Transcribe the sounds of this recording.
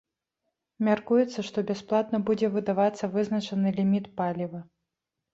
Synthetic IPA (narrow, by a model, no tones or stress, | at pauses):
mʲarkujɛt̪sːɐʂt̪ɔbʲasplˠat̪nɐbud͡zʲɛvɨd̪avat̪sːɐvɨznɐt͡ʂɐnɨlʲimʲit̪palʲivɐ